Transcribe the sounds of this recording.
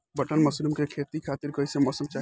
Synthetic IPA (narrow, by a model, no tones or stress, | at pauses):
bəʈənmɐslumkekʰeːt̪ikʰaːt̪ɪɾkəɪsemɔːsəmt͡ʃaː